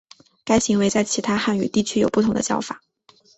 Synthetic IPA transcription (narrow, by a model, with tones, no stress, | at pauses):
ka˥ɪɕi˧˥ŋwe˧˥ɪt͡sa˥˩ɪt͡ɕʰi˧˥t̪ʰa˥xa˥˩ny̰˨˩t̪i˥˩t͡ɕʰy˥jo˨˩ʊpu˥˩t̪ʰʊ˧˥ŋd̪ə̰˧jɑ̰˥˩ʊfa̰˨˩˦